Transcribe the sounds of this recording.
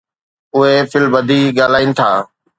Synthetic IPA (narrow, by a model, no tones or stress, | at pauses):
ʊɦefɪlbəd̪ʱiɡaːlaːiːnɪ̆t̪ʰaː